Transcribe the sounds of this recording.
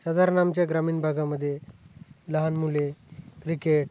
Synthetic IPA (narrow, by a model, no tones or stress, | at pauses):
səd̪aɾnamt͡ɕjaɡɾamiːnbʱaɡaməd̪ʱːje | ləɦanmulekɾikeʈ̚